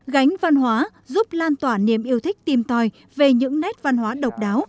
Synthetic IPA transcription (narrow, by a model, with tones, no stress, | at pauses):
ɣa˨˦jŋ̟va˧nɦwaː˨˦ | zu˦˥p̚laː˧nt̪waː˧˩ni˧˩əmʔi˧əwt̪ʰï˦˥k̟̚t̪i˨˩mt̪ɔ˨˩j | ve˨˩ɲɨ̰˧˥ŋnɛ˦˥t̚va˧nɦwaː˨˦ɗə˨˩wk͡p̚ɗaː˨˦w